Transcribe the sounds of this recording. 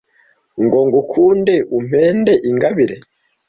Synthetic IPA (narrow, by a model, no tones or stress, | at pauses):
ŋɡoːŋɡukʰuːndeʔum̥eːnde̞ʔiŋɡaβiɾe